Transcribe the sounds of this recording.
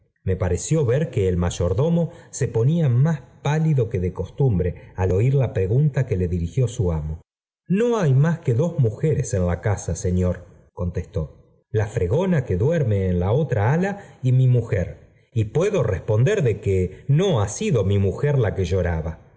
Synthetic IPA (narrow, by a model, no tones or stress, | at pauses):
me̞paɾe̞sjo̞βeɾkeːlmaʒo̞ɾðo̞mo̞se̞po̞niamaspaliðo̞ke̞ðeko̞st̪umbɾe̞alo̞iɾlapɾe̞ɣunt̪ake̞le̞ðiɾixjo̞suamo | no̞ajmaske̞ðo̞zmuxeɾese̞nlakasase̞njo̞ɾ | ko̞nt̪est̪o̞ | lafɾe̞ɣo̞nake̞ðweɾmeːnlao̞t̪ɾaalaimimuxeɾ | ipwe̞ðo̞respo̞nd̪eɾðe̞keno̞asiðo̞mimuxeɾlakeʒoɾaβa